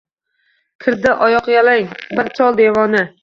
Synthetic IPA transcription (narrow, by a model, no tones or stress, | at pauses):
kʲʰɪɾd̪ɪʔɒjɒqjalaŋbɪɾt͡ʃʰɒlˠd̪evɒnɪ